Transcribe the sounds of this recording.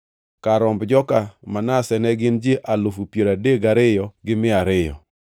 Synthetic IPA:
kaɾɔmbd͡ʒɔkamanasɛnɛɡɪnd͡ʒeʔalofupjeɾadeɡaɾɪjɔɡɪmɪaɾɪjɔ̰

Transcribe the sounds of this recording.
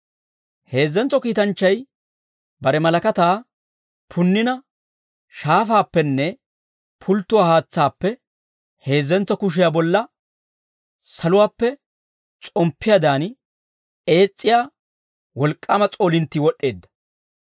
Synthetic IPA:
he̞ːzːɛnt͡sːɔkiːt̪ɐnt͡ʃːɐj | bɐɾɛmɐlɐkɐt̪aː | pʰʊnːɪnɐ | ʃaːfaːpːɛnːɛ | pʰʊlt̪ːʊwaːhaːt͡sːaːpːɛ | he̞ːzːɛnt͡sːɔkʊʃ̬ɪjabɔlːɐ | sɐlʊwaːpːɛ | t͡sʼɔmpʰːɪjad̪aːn | e̞ːt͡sʼːɪjaː | wɔlkʼːaːmɐt͡sʼo̞ːlɪnt̪ːɪwɔɗːe̞ːd̪ːɐ̥

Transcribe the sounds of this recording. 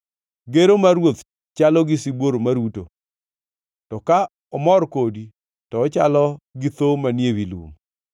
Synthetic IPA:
ɡeɾomaɾwot̪ | t͡ʃalɔɡɪsibwoɾomaɾuto̰ | tɔka | ɔmɔrkodi | tɔːt͡ʃalɔɡɪt̪omanjewilwo̰m

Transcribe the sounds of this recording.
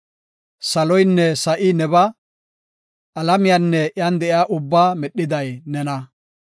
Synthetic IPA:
sɐlɔjnːɛsɐʔɪnɛbɐ | ʔɐlɐmɪjanːɛʔjand̪ɛʔɪjaːʔʊbːaːmɛɗɪd̪ɐjnɛnɐ

